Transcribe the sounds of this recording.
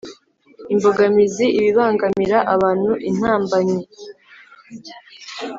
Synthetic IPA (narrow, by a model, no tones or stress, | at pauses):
imbo̞ɡamiziʔiβiβaːŋɡamiɾaʔaβaːn̥huʔin̥haːmbaɲe